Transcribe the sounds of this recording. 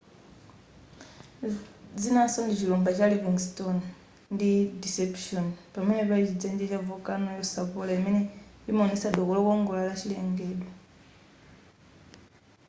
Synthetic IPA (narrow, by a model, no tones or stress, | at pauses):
d͡zinasondit͡ʃilumbat͡ʃaliviŋɡiston | ndidisepʃonpaminɛβait͡ʃid͡zend͡ʒet͡ʃavokanojosaβolamenɛimonisaɗokolokoŋɡolalat͡ʃileŋɡeɗwa